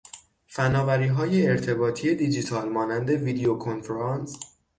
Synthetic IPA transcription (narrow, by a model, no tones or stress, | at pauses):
fænɒːvæɾiːɦɒːje̞ːɾt̪ʰe̞bɒːt̪ʰije̞d̪iːd͡ʒit̪ʰɒːlmɒːnænd̪e̞vid̪eokʰonfeɾɑns